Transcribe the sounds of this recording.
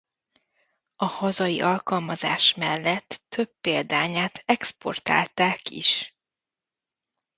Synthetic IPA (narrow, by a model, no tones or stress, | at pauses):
ɒhɒzɒjḭʔɒlkɒlmɒza̰ːʃmɛlːɛt̪ːø̞bːeːld̪aːɲaːt̪ʰɛkspo̞̰rt̪a̰ːlt̪aːkḭʃ